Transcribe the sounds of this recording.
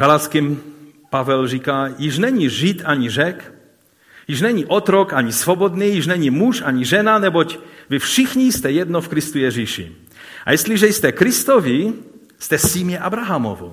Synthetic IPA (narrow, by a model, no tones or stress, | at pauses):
ɡalat̪skim | pavɛlrikajiʒnɛɲiʒit̪aɲiʒɛk | jiʒnɛɲiʔɔt̪ɾɔkaɲisvobɔd̪nijiʒnɛɲimuʃaɲiʒɛnanɛbocvifʃixɲijst̪ɛjɛd̪nɔfkɾist̪ujɛʒiʃḭ | a̰jɛsliʒɛjst̪ɛkɾist̪ɔvi | st̪ɛsimɛʔabɾaɦamo̰vṵ